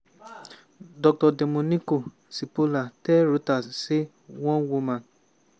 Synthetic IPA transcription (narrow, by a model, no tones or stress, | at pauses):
dɔk̚tɔdemõnĩko | sipolatɛɾutase | w̃ɔ̃womã